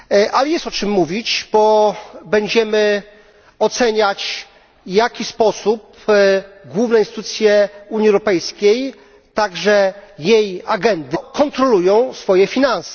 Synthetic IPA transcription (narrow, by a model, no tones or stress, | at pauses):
ʔalɛjɛst̪ɔt͡ʂɘmːuvʲit͡ɕbɔbɛɲd͡ʑɛmɘ | ɔt̪sɛɲat͡ɕ | jakʲispɔsup | ɡwuvnɛint̪ɨt̪ut̪sʲjɛuɲiɛwɾɔpɛjskʲej | t̪aɡʐɛjejaɡɛnd̪ɨkɔnt̪ɾɔlujɔ̃w̃sfɔjɛfʲinansɛ